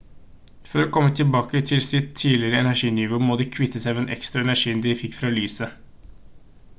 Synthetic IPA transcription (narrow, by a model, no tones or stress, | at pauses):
fœɾɔkʰɔmːət̪ʰɪlbɑːkət̪ʰɪlsɪt̪ʰːiːlɪɾəɛnæʂiːnʏʋuːmoːd̪ɛkʰʋɪt̪ːəsæɪʋɛnʔɛ̰kst̪ɾɑɛnæʂiːnd̪ɪfɪkːfɾɑːlyːsə